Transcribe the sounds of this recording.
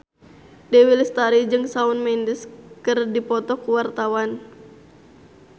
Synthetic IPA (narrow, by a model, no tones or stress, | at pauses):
dɛwilist̪aɾid͡ʒɨŋsaunmɛndəskɨrdipɔt̪ɔkuwart̪awan